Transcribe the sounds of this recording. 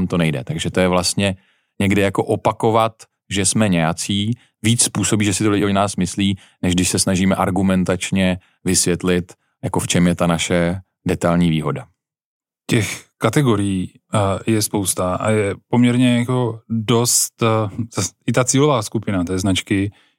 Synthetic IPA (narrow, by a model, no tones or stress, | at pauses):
amt̪o̞nɛjdɛ̰t̪aɡʒɛt̪o̞jɛvlast̪ɲɛ | ɲɛɡdɪjako̞ʔopako̞vat̪ | ʒɛsmɛɲɛjat͡siː | viːt͡sspuːso̞biːʒɛsɪt̪olɪɟɪʔonaːsmɪsliː | nɛʒɡdɪʃsɛsnaʒiːmɛʔaɾɡumɛnt̪at͡ʃɲɛ | vɪsvjɛt̪lɪt̪ | jakoft͡ʃɛmjɛt̪anaʃɛ | dɛt̪alɲiːviːɦo̞da | cɛxkat̪ɛɡoɾɪjiː | jɛspowst̪aʔa̰jɛpo̞mɲɛɾɲɛjakodost̪zaɪt̪at͡siːlovaːskupɪnat̪ɛːznat͡ʃkɪ